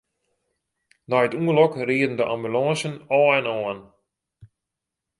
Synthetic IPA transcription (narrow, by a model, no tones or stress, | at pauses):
nɔjətuənlɔkriədn̩dəʔa̰mbylɔ̃ːsənɔːɛnɔːn